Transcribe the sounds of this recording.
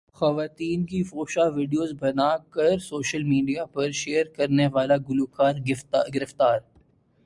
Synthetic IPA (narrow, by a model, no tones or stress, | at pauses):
xɐʋaːt̪iːnkifoːʃaʋɪːɖijoːzbɐnaːkɐɾsoːʃəlmiːɖijapɐɾʃeːəɾkɐɾneʋaːlaɡʊlukaːɾɡɡɪɾɪft̪aːɾ